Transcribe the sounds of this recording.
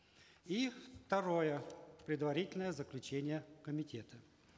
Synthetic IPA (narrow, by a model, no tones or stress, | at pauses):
ift̪ɐɾo̞jəpɾʲɪd̪vɐɾʲitʲɪlʲnəjəzəklʲʉt͡ɕenʲɪjəkəmʲɪtʲet̪ʰə